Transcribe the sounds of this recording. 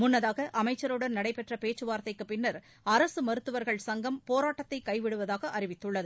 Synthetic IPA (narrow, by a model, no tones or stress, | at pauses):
mʊnːɐðaːɣɐʔɐmɐɪt͡ʃːɐɾɯɽɐnnɐɽɐɪpɛʈrɐpeːt͡ʃːɯʋaːɾt̪ːɐɪkːɯpɪnːɐɾ | ɐɾɐsɯmɐɾɯt̪ːɯʋɐɾɣɐɭsɐŋɡɐmpoːɾaːʈːɐt̪ːɐɪkːɐɪʋɪɽɯʋɐðaːɣɐʔɐɾɪʋɪt̪ːɯɭːɐðɯ